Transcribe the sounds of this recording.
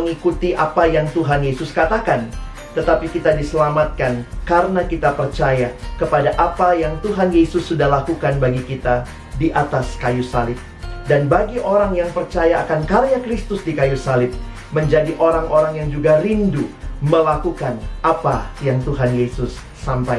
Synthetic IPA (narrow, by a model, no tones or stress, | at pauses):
əŋikut̪iʔapajaŋt̪uɦanjesʊskat̪akan | t̪ət̪apikit̪adisəlamat̪̚kankaɾənakit̪apərt͡ʃajakəpadaʔapajaŋt̪uɦanjesʊsːudahlakukanbaɡikit̪a | diʔat̪askajusalɪp̚ | danbaɡiʔoɾaŋjaŋpərt͡ʃajaːkankarnakɾist̪ʊsdikajusalɪp̚ | məɲd͡ʒadiʔoɾaŋʔoɾaŋjaŋd͡ʒuɡaɾinduməlakukanʔapajaŋt̪uɦanjesʊsːampaj